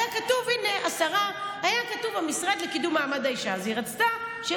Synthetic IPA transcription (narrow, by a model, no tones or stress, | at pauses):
jakatuvine̞ʔasaʁa | ajakatuvamisʁad̪le̞kidumaːmadaiʃaziʁat͡st̪a | ʃe